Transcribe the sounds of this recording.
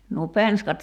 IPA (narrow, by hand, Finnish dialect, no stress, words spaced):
nuo penskɑt